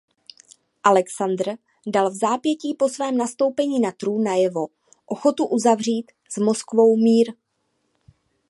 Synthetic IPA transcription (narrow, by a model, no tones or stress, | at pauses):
ʔalɛksand̪r̩ | dalvzaːpjɛciːpo̞svɛːmnast̪o̞wpɛɲiːnat̪ɾuːnːajɛvo̞ | ʔoxo̞t̪uʔuzavr̝iːt̪ | z̥mo̞skvo̞wmiːɾ